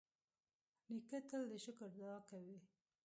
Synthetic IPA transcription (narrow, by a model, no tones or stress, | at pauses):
nikət̪əld̪əʃəkəɾd̪ɑkawi